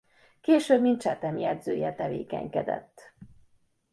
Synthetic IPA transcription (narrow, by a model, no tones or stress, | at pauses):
keːʃøːbmint̪t͡ʃɛt̪ɛmjɛd̪zøːjɛt̪ɛvḛːkɛ̰ɲkɛd̪ɛ̰t̪ː